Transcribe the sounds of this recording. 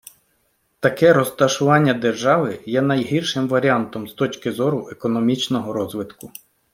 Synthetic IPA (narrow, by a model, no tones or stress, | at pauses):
t̪ɐkɛɾɔst̪ɐʃʊʋɑnʲːɐd̪e̞rʒɑʋɪjɛnɐjɦirʃɪmʋɐɾʲiɑnt̪ɔmst̪ɔt͡ʃʲkɪzɔɾʊʔekɔnɔmʲit͡ʃnɔɦɔɾɔzʋɪt̪kʊ